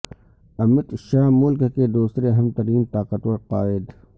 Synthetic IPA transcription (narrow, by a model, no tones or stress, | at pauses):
ɐmɪt̪ʃaːɦmʊlkked̪uːsɾeɐɦəmt̪ɐɾiːmt̪aːqət̪wɐɾqaːɪd̪